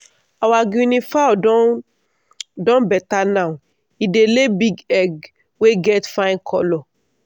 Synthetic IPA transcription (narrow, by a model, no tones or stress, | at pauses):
awaɡũnĩfaɔdɔ | dɔ̃bɛtanãũ | idelebiɡɛɡ | weɡɛtfãj̃nkʰɔlɔ